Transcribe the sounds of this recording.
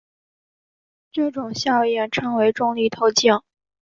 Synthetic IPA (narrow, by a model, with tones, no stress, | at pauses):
ʈ͡ʂɤ˥˩ʈ͡ʂʊ˨˩ŋɕjɑ˥˧ʊjɛ˥˩nʈ͡ʂʰɤ˧˥ŋwe˧˥ɪʈ͡ʂʊ˥˧ŋli˥˩t̪ʰo˧˥ʊt͡ɕjɑ˥˩ŋ